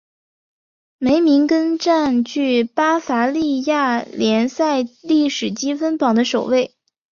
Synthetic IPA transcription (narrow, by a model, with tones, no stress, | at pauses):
me˧˥ɪmi˧˥ŋkə˥nʈ͡ʂa˥˧nt͡ɕy˥˩pa˥fa˧˥li˥˧ja˥˩ljɛ˧˥nsa˥˧ɪli˥˩ʂɻ̩˨˩t͡ɕi˥fə˥npɑ˨˩ŋd̪ə˦ʂo˨˩ʊwe˥˩ɪ